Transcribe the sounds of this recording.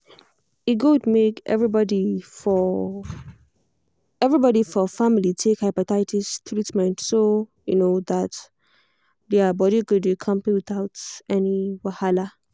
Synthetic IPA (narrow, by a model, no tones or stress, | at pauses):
iɡudmekʔɛ̰vɹibɔdifɔ | ɛvɹibɔɾifɔfamilitʰekhaɪpatʰaɪtistʰɹitmɛ̃ntsojṵnoðat | ðɛabɔɾiɡud̚bikʰʌ̃mpiwɪθaʊtɛniwahala